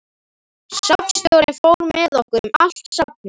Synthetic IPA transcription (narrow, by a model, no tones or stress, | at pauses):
sapn̥sc̪jowɾɪnfoːwɾmɛðɔhkʏɾʏma̰l̥t̪sap̚nʏ